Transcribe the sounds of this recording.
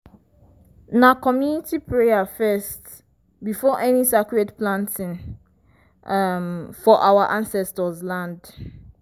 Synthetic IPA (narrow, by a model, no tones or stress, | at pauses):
nãkʰɔ̃mjunitʰipʰɹeafɛst | bifɔʔɛnisakuɛtplãntʰĩnŋ | mfɔʔawaʔãnsɛstɔzlãnd